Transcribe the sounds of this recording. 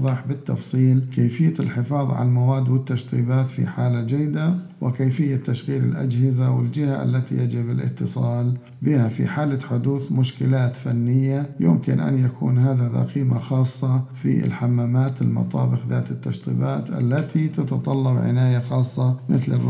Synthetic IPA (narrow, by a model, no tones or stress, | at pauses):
ðˤɨħbɪt̪ːɑ̰fsˤiːlkeːfɪjːalħɪfɑːðˤʕa̰lalmawaːd̪ːwɪt̪ːaʃt̪ˤiːbaːt̪fḭħaːlad͡ʒajːd̪a | wɪkeːfɪjːat̪ːaʃɣiːlɪlʔa̰d͡ʒhɪzawɪld͡ʒɪhaʔa̰lːat̪ijad͡ʒɪbɪlʔɪ̰t̪ːɨsˤɑːl | bɪhafḭħaːlaħʊd̪uːθmʊʃkɪlaːt̪fanːɪjːajʊmkɪnʔa̰njakʰṵːnɦaːðaðɑ̰qiːmaxɑːsˤːɑfḭɪ̰lħamːaːmaːt̪ɪlmɑ̰t̪ˤɑ̰ːbɪxða̰ːt̪ɪt̪ːaʃt̪ˤḭːbaːt̪ʔa̰lːat̪ʰit̪at̪ɑt̪ˤɑlːɑbʕɪ̰naːjaxɑːsˤːɑmɪθlɪ̰r